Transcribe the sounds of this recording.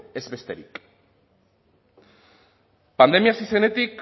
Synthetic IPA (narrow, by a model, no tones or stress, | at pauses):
e̞zβe̞st̪e̞ɾik | pand̪e̞miasise̞ne̞t̪ik